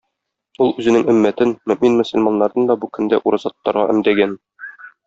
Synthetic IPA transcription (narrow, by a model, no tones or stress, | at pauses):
ulˠʉzɘ̆nɘŋɘ̆mːæt̪ɘnmɵ̆mminmɵ̆sɵ̆lʲmɑnːɑɾd̪ɤnd̪ɒbukɵ̆nd̪æʔuɾɑzɑt̪ːɑɾʁɑ̰ʔɘ̆md̪æɡæn